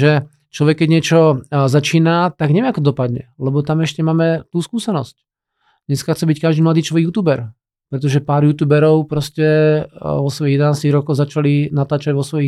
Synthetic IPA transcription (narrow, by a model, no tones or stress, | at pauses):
ʒɛ | t͡ʃlɔʋɛkːɛɟɲɪɛt͡ʃɔzat͡ʃiːnat̪aɡɲɛʋɛakɔɔd̪ɔpad̪ɲɛ̰lɛbɔt̪amɛʃcɛmaːmɛt̪uːskuːsɛnɔsc | d̪ɲɛskaxt͡sɛbickaʒd̪imlad̪iːt͡ʃlɔʋɛɡjuːt̪uːbɛɾ | pɾɛt̪̬ɔʒɛpaːɾjuːt̪uːbɛɾɔʊpɾɔscɛ | ʋɔsʋɔjiɣjɛd̪ɛnaːst̪iɣɾɔkɔʊzat͡ʃalinat̪aːt͡ʃaɟʋɔsʋɔji